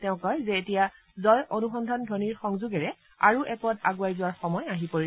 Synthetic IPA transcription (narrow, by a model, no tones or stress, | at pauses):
tɛʊ̃kɔjzɛːtija | zɔjʔonuxɔndʱandʱɔniɹxɔŋzuɡɛɹɛ | a̰ɹuʔɛkɔtaɡuwajzʊwaɹxɔmɔjaɦipoi